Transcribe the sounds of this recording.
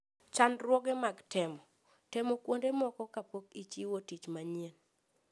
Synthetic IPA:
t͡ʃanɾwɔɡɛmaɡtʰɛmɔ | tɛmɔkwondemɔkɔkapokit͡ʃiwotit͡ʃmaɲien

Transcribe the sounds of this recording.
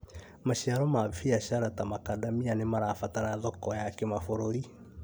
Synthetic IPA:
maɕiaɾɔmafiaʃaɾatamakadamianemaɾafataɾaðɔkɔjakemafoɾoɾi

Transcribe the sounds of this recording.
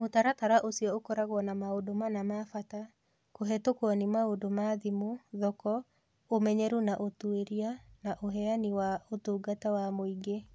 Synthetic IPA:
otaɾataɾaʔosiɔokɔɾaɣwɔnamaodomanamafata | koɦɛtokwɔnimaodomaðimoðɔkɔ | omɛɲɛɾunaʔotueɾianaʔoɦɛaniwaotuːɡatawamoiɡe

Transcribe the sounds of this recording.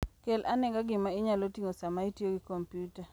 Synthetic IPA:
kelʔanɛɡaɡɪmaɪɲalotiŋosamaitjoɡɪkompjuta

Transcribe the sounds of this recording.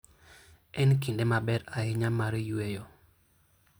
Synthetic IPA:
ɛnkindemabɛɾaɪɲamaɾjuejɔ

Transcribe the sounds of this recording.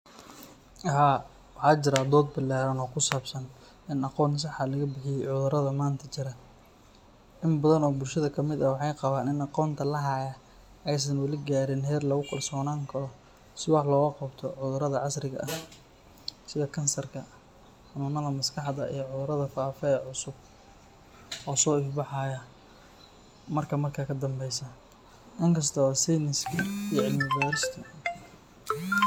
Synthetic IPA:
ɐɦaː | wɑħɑːt͡ʃɪɾaːd̪ɔːd̪̚bɐlɛːɾɐnɔːkʰʊsaːbsɐn | ɪnɑqɔːns̬ɑħalɐɣɐbɪħɪjɛjʕʊðʊɾɐðɐmaːnt̪ʰɐt͡ʃɪɾɐ | ʔɪmbɐðɐnɔːbʊlʃɐðɐkʰɐmɪd̪ɐwɑħɑjqɑβaːnɪnɑqɔːnt̪ʰɐlɐɦaːjɐ | ɛjs̬ɐnwɐlɪɡaːɾɪnɦɛːrlɐɣʊkʰɐlsɔːnaːŋkʰɐlɔ | sɪwɑħlɔːɣɐqɑbt̪ʰɔʕʊðʊɾɐðɐʕɑsɾɪɣɐ̰ʔɐ | sɪðɐkʰɐnsɐrkʰɐ | ħɑnʊːnːɐðɐmɐskʰɑħd̪ɐʔḭjʕʊðʊɾɐðɐfaːfɛɛːʕʊsʊb̚ | ʔɔːsɔːɪfbɑħɑːjɐ | mɐrkʰɐmɐrkʰaːkʰɐd̪ɐmbɛjsɐ | ʔɪŋkʰɐs̬t̪ʰɔasijnɪskʰiijɐʕɪlmɪbaːɾɪst̪ʰɐ

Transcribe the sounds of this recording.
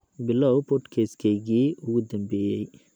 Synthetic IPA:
bɪlɔwpʰɔʈkʰɛːskʰɛɣiːʊɣʊd̪ɐmbɛːjɛj

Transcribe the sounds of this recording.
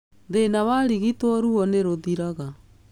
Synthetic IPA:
ðenawaɾiɣitwɔɾuɔneɾoðiɾaɣa

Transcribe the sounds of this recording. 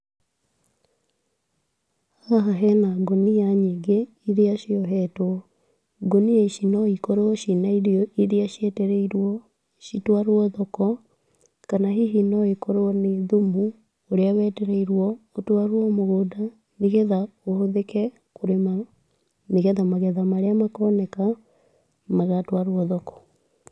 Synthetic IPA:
hhaɦaɦɛnaɡonijaɲeɡe | iɾeaʃiɔɦɛtwɔ | ɡonieʃinɔikɔɾoɔʃinaiɾiɔiðeaʃjɛtɛɾɛiɾwɔ | ʃitwaɾwɔðɔkɔ | kanaɦiɦinɔikɔɾoɔneðomu | oɾeawɛtɛɾɛiɾwɔotwaɾoɔmoɣoda | neɣɛðaohoðekɛ | koɾema | neɣɛðamaɣɛðamaɾeamakɔnɛka | maɣatwaɾwɔðɔkɔ̥

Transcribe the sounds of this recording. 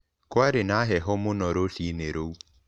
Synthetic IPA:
kwaɾɪnaɦɛɦɔmʊnɔɾoɬineɾou

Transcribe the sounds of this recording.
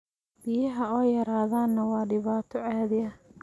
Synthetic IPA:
b̥ɪjɐɦɐɔːjɐɾaːðaːnːɐwɑːɖɪβaːt̪ʰɔʕɑːðɪjɐ

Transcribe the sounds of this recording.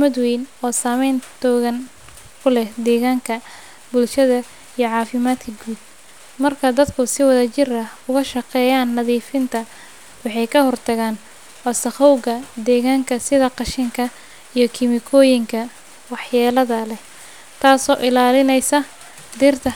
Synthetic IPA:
mɐd̪wɛjnɔːsaːmɛjnt̪ʰɔːɣɐn | kʰʊlɛhd̪ɛːɣaːŋkʰɐ | bʊlʃɐðɐ | ijɞʕɑːfɪmaːd̪kʰɐɡuːd̪̚ | mɐrkʰɐd̪ɐd̪kʰʊsɪwɐðɐt͡ʃɪrɐʊɣɐʃɐqɛːjaːnːɐðiːfɪnt̪ʰɐ | wɑħɑjkʰɐhɔrt̪ʰɐɣaːn | wɑːsɐχɔwɣɐd̪ɛːɣaːŋkʰɐsɪðɐqɑʃɪŋkʰɐ | ijɞkʰɪmɪkʰɔːjɪŋkʰɐ | wɑħjaːlɐðɐlɛ | t̪ʰaːsɔːʔɪlaːlɪnɛjsɐ | d̪ɪrt̪ʰɐ

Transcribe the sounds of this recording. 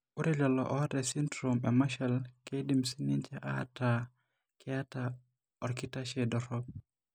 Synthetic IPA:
ʔuɾɛd͡ʒalɔ̰ʔɔwadɛsindɾomɛmaʃɛlkedimsinint͡ʃɛʔa̰ta | kʰɛata | ɔɾkitaʃɛdɔɾɔb̚

